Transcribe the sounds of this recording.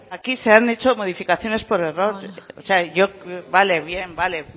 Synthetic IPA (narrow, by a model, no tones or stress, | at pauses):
akise̞anet͡ʃo̞mo̞ð̞ifikaθjo̞ne̞spo̞ɾe̞ro̞ɾoseaʝoβale̞βje̞mbale̞